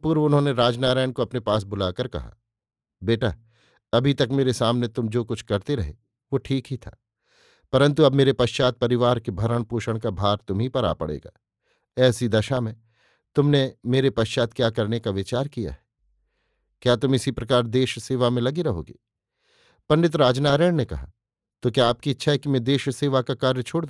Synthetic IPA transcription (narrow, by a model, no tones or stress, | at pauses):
puːɾʋʊnɦõneɾaːd͡ʒnaːɾaːɪɳkoɐpnepaːs̬bʊlaːkɐɾkɐ̰ɦa̰ː | beːʈa | ɐbʱit̪ɐkmeːɾesaːmnet̪ʊmd͡ʒoːkʊt͡ʃʰkɐɾt̪eɾɐɦe | ʋoʈʰiːkɦit̪ʰa̰ː | pɐɾə̃nt̪uɐbmeːɾepɐʃt͡ʃaːt̪̚pɐɾɪʋaːɾkebʱɐɾəɽ̃puːʃəɽ̃kabʱaːɾt̪ʊmɦipɐɾa̰ːpɐ̰ɽḛːɡa̰ː | ɛːsid̪ɐʃamẽ | t̪ʊmnemeːɾepɐʃt͡ʃaːt̪kjaːkɐɾnekaʋɪt͡ʃaːɾkija̰ɦɛ̥ | kjaːt̪ʊmɪsipɾɐkaːɾd̪eːʃseːʋamẽlɐɡeɾɐɦo̰ːɡḛː | pɐnɖɪt̪ɾaːd͡ʒnaːɾeːɽ̃nekɐ̰ɦa̰ | t̪okjaːp̚kiɪtːʃʰaɦɛkimɛ̃d̪eːʃseːʋakakaːɾjət͡ʃʰoːɽd̪